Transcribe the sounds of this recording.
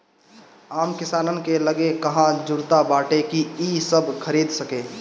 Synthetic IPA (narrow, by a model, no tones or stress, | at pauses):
aːmkɪsaːnənkeləɡekɐɦãd͡ʒʊɾt̪abaːʈekiisəbʱkʰəɾiːd̪səkeː